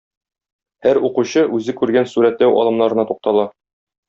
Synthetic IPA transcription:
hæɾuquɕɤʔʉzɘkʉɾɡænsuɾæt̪læwʔɒ̰lˠɤ̆mnɑɾɤ̆nɑt̪uq̚t̪ɑlˠɑ

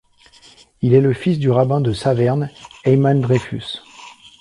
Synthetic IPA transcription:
ilɛləfisd̪yʁabɛ̃d̪əsavɛʁnɛmand̪ʁefy̰s

